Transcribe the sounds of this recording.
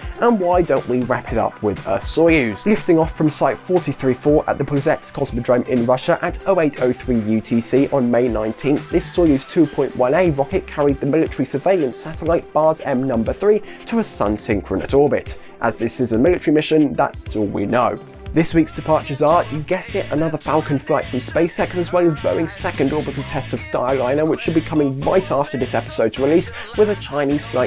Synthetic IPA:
ə̃nwaɪdõʊ̃nʔwiɹapʰɪɾʌ̰pʰwɪðə̰sɔjʉz̥lɪftɪ̃ŋɒfɹə̃msaɪtfɔˑtiθɹifɔːɹʔə̰ʔðəpʰəzɛtskʰɒzmədɹə̃mɪ̃nɹʌʃəʔətəʊeɪtʰəʊθɹiːjʉtʰisiːʔə̃nmeɪnãɪ̃ntʰĩnθðɪsɔɪjʉz̥tʰʉːpʰɔ̃ɪ̃nʔwʌ̃neɪɹɒkɪʔ̚kʰaɹid̪̚ðəmɪlɪtəɹisəveɪlˠə̃nsatəlaɪt̚b̥ɑːzɛ̃mnʌ̃mbəθɹiːtʰəəsʌ̰̃nsɪ̃ŋkʰɹ̥ə̃nə̰sɔɹbɪ̰t | ʔəzðɪsɪzəmɪlɪtəɹimɪʃə̃nða̰tsɔːlˠwḭnəʊ | ðɪswiˑksd̥ɪpʰɑˑt͡ʃə˞zɑˑəɡɛstɪtə̰nʌðə˞falˠkə̃nflaɪtfɹə̃mspeɪsɛksəzwɛlˠəzbɜ̰ɪ̃ŋsɛkə̃ndɔɹbətʰətʰɛstəv̥sta̰ɪlˠãɪ̃nəwɪt͡ʃʃəd̚bikʰʌmɪ̃ŋɹa̰ɪtʰɑftəðɪsɛpɪ̥səʊd̚tʰəɹɪliˑs | wɪðət͡ʃʰãɪ̃niz̥flaɪt

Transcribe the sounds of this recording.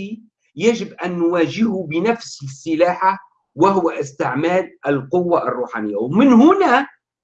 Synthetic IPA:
i | jaʒɪbʔanːwaːʒɪhʊbɪnafssːɪlaːħa | waɦʊwaʔɪst̪ɪʕmaːlʔalqʊwːaʔarˤːuːħaːnɪjːawmɪnɦʊna

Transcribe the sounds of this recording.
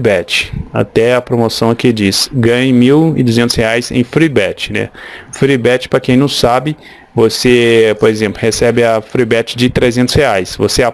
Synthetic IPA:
bɛt͡ʃɪ̥a̰t̪ɛɐpɾomosɐ̃w̃kɪd͡ʒisɡɐ̃ɲɪmiwɪ̰d̪uzẽnt̪ʊsheajzḛ̃j̃fɾibɛt͡ʃɪ̥nɛ̰fɾibɛt͡ʃɪ̥pɾɐkẽj̃nɐ̃w̃sabɪ | vosepoɾezẽmplʊhesɛbɪɐfɾibɛt͡ʃɪ̥d͡ʒɪt̪ɾezẽnt̪ʊ̥sheajsvosea

